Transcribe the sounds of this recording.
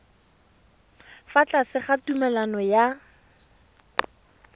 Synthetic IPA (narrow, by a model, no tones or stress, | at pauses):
fat͡ɬasɪχatumɛlanɔja